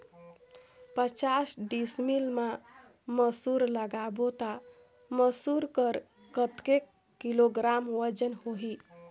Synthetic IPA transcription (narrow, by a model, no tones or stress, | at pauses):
pət͡ʃasɖismilma | məsuɾləɡabot̪a | məsuɾkəɾ | kət̪kekː | iloɡɾamwəd͡ʒənhoɦi